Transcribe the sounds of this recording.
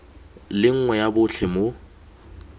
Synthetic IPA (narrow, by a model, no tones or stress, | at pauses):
lɪŋ̩ŋwɛjabʊɬʰɛmo